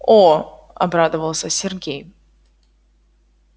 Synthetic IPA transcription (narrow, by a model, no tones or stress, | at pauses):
o | ɐ̰bɾad̪əvəlˠsʲəsʲɪrɡʲej